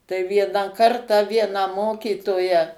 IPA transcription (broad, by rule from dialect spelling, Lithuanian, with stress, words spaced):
tɐɪ ˈʋʲiɛnɑː ˈkɐrtɑː ˈʋʲiɛnɑː ˈmoːkʲiːtoːjæː